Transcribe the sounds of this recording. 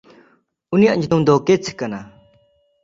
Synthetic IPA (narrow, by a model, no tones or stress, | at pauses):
unijaʔɲut̪umd̪ɔket͡sʰi̥kːana